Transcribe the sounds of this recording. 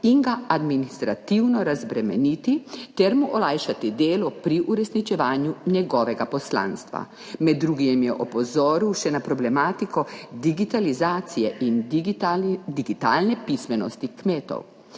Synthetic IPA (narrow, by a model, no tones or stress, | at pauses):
iŋɡaad̪minist̪ɾat̪iwnɔɾazbɾɛmɛnit̪it̪ɛɾmuʔɔlajʃat̪id̪eːlɔpɾiʔuɾɛsnit͡ʃɛʋaːnjunjɛɡɔːʋɛɡapɔslã̰ːnst̪ʋa̰ | mɛd̪ːɾuːɡiɛmjɛʔɔpɔzɔːɾiwʃɛnapɾɔblɛmaːt̪ikɔd̪iɡit̪alizaːt̪sijɛʔin | d̪iɡit̪a̰ːlnɛpismɛnɔ̰st̪ikmeːt̪ɔ̰w